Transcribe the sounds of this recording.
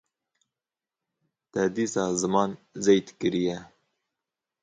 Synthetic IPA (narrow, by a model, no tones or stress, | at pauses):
t̪ɛd̪iːsɑːzɨmɑːnzejt̪kɨɾijɛ